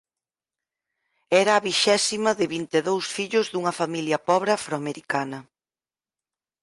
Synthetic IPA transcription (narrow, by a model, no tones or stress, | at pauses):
ɛɾɐːβiʃɛsimɐðɪβint̪eðowsfiʎʊzðuŋɐfamiljɐpɔβɾafɾoameɾikanɐ